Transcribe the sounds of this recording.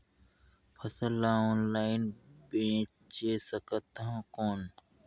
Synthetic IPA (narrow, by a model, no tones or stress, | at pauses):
pʰɐsəlːaɔːnlaːɪnbẽː | t͡ʃeːsəkət̪ɦãkoːn